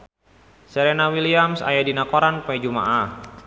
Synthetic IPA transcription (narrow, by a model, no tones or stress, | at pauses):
sɛɾɛnawiliamsa̰jadinakoɾanpɛd͡ʒuma̰ʔah